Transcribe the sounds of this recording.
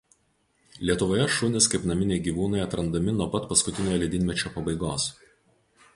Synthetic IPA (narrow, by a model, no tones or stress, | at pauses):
lʲiɛt̪ʊʋoːjɛʃʊnʲɪskɐɪpnɐmʲɪnʲeɪɡʲiːʋuːnɐɪɐt̪ɾɐnd̪ɐmʲɪnuɔpɐt̪pɐskʊt̪ʲɪnʲoːjlʲɛd̪ʲɪnʲmʲɛt͡ʃʲoːpɐbɐɪɡoːs